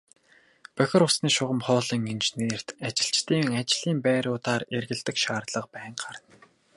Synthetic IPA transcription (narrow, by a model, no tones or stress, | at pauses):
pœxʲɪ̆rʊsniːʃʊʁə̆mχɔːɮĭŋent͡ɕneːr̥t̪at͡ɕɪ̆ɬt͡ɕt̪iːŋat͡ɕɪ̆ɮ̥iːmpæːɾʊːt̪aːrerɣɘ̆ɮt̪ɘ̆kʃaːrt̪ɮə̆q̚pæːɴɢarə̆n